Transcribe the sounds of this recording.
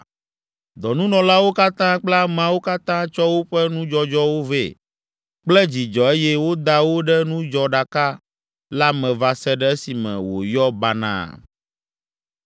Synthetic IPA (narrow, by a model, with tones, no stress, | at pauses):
d̪ɔ˨nũ˦nɔ̃˨la˦wo˦ka˦t̪ã˦k͡pla˦mã˦wo˦ka˦t̪ã˦t͡ʃɔ˦wo˦ɸɛ˦nũ˦d͡ʒɔ˦d͡ʒɔ˦wo˦vḛ˦˨ | k͡plɛ˦d͡ʑi˨d͡ʒɔ˨e˦jɛ˦wo˦d̪a˦wo˦ɖɛ˦nũ˦d͡ʒɔ˨ɖa˨ka˦ | la˦mɛ̃˨va˨sɛ˦ɖɛ˦ɛ˦si˨mɛ̰̃˨wo̰˨jɔ˦ba˦nã̰˦˨